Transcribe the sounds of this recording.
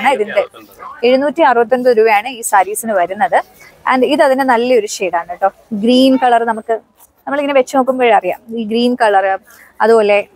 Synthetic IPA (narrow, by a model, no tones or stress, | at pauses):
ɳɨiðinde̞e̞ɻunuːtːiɐrɨbɐt̪ːo̞nɖoɾuːʋɐjaːɳɨiːsɐɾiːsinɨʋɐɾunːɐðɨ | ḛnɖiðɐðinenɐlːɐo̞ɾuʂeːɽaːɳːiʈːo̞ːɡɾiːnkɐɭɐrnɐmukːɨ | nɐmːɐɭiŋːɐneʋet͡ɕːɨno̞ːk̬ːumboːɻeɐrija̰ːmiːɡɾiːnkɐɭɐrɨ | ɐ̰ðupo̞ːle̞